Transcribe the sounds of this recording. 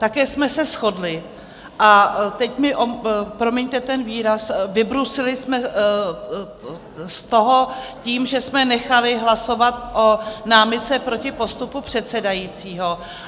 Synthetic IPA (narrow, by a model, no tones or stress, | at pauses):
t̪akɛːsmɛsɛsxo̞dlɪ | ʔat̪ɛcmɪʔopɾomjɛɲt̪ɛt̪ɛnviːɾasvɪbɾusɪlɪsmɛ | st̪o̞ɦociːmʒɛsmɛnɛxalɪɦlaso̞vat̪ʔonaːmɪt̪t͡sɛpɾo̞cɪpo̞st̪upupr̝̥ɛt̪sɛdajiːt͡siːɦo̞